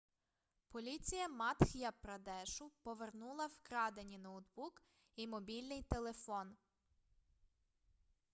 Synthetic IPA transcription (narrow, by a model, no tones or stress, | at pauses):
pɔlʲit͡sʲijɐmɑt̪xʲjɐpɾɐd̪ɛʃʊpɔʋernulˠɐwkɾɑd̪enʲinɔwd̪buk | imɔbʲilʲnɪjt̪elˠefɔn